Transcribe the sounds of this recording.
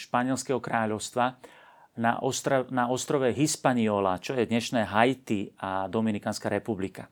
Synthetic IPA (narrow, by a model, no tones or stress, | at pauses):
ʃpaɲɪɛlskɛɦɔkɾaːʎɔʊst̪ʋa | na̰ʔɔst̪ɾnaɔst̪ɾɔʋɛɦispaɲiɔːlat͡ʃɔjɛd̪ɲɛʃnɛːɦajt̪iad̪ɔminikaːnskaɾɛpublika